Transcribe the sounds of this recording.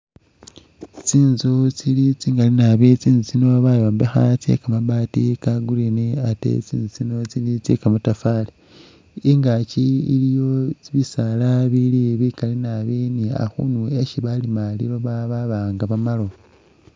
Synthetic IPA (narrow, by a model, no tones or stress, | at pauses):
t͡siːnzot͡silit͡siːŋɡalinaβet͡siːnzut͡sino̞βajo̞ːmbexat͡sḛkamabaːtikaɡuliniatḛt͡sḭːnzut͡sino̞t͡silit͡sḛkamutafali | iŋɡaciilijo̞t͡siβisalaβiliβikalinaβinia̰xṵnue̞ʃiβalimaliβoβaβaβaːŋɡaβamalo̞